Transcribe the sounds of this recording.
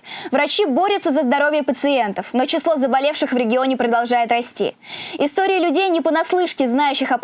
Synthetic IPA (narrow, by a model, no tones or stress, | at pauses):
vɾɐt͡ɕibo̞ɾʲɪt̪səzəzd̪ɐɾo̞vʲjəpət̪sɨent̪əfno̞t͡ɕɪslˠo̞zəbɐlʲe̞fʂɨxvɾʲɪɡʲɪo̞nʲɪpɾəd̪ɐlˠʐajɪt̪rɐsʲtʲḭɪst̪o̞ɾʲɪəlʲʉdʲejnʲɪpənɐslˠɨʂkʲɪznajʉɕːɪxɐp